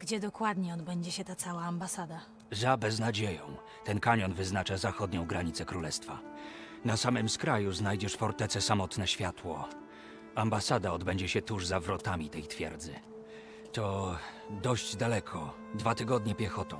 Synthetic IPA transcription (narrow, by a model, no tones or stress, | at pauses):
ɡ̥d͡ʑɛd̪ɔkwad̪ɲɛɔd̪bɛɲd͡ʑɛɕɛt̪at̪sawaːmbasad̪a | zabɛznad͡ʑejɔ̃w̃ | t̪ɛnkaɲɔnvɘznat͡ʂazaxɔd̪ɲɔ̃w̃ɡɾaɲit̪sɛkɾulɛst̪fa̰ | nasamɘmskɾajuznajd͡ʑɛʂfɔɾt̪ɛt̪sɛsamɔt̪nɛɕfʲjat̪wɔ | ambasad̪aɔd̪bɛɲd͡ʑɛɕɛt̪uʐzavɾɔt̪amʲit̪ɛjt̪fʲjɛ̰ɾd̪zɘ | t̪ɔ | d̪ɔʑd͡ʑd̪alɛkʰɔ | d̪vat̪ɘɡɔd̪ɲɛpʲjɛxɔt̪ɔ̰̃w̃